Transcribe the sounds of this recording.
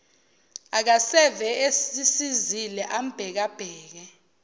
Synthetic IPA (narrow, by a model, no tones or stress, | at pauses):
ak̬asɛvɛesisizilɛʔam̩b̥ʱɛk̬ab̥ʱɛːk̬ɛ